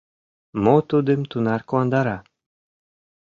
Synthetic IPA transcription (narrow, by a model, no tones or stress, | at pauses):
mot̪ud̪əmt̪unɑrkoɑnd̪ɑɾɑ